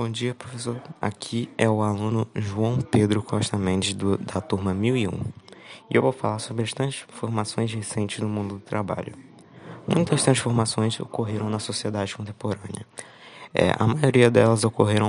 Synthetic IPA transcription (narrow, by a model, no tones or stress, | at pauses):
bõd͡ʒiɐpɾofesoɾa̰kʰiɛʊalũnʊʒuɐ̃w̃ped̪ɾʊkʰɔʃt̪ɐmẽnt͡ʃɪd̪ɐt̪uɾmɐmiwiṵ̃ɪʔewvofalaɾsobɾɐst̪ɾɐ̃sfoɾmasõj̃shesẽnt͡ʃɪznʊmũnd̪ʊd̪ʊt̪ɾaba̰ʎʊ̰ | mũj̃t̪ɐst̪ɾɐ̃sfoɾmasõj̃zo̰koɦeɾɐ̃w̃nɐsosied̪ad͡ʒɪkõnt̪ẽpoɾɐ̃nɪ̰ɐ | ɛ̰ʔɐ̰majoɾiɐd̪ɛlɐzokoɦeɾɐ̃w̃